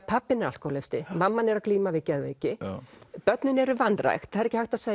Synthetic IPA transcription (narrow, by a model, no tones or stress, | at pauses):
pʰapːɪnal̥kɔwlest̪ɪmamːanɛɾakliːmavɪcɛðveːcɪpœt̪nʏnɛɾʏvanːra̰jxt̪θaðɛɾɛcɪhajht̪aðseː